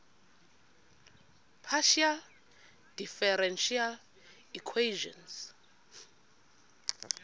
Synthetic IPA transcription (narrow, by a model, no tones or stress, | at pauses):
pʰaʃial | d̥ifɛɾɛnʃial | ikʰweʒɔ̰̃ns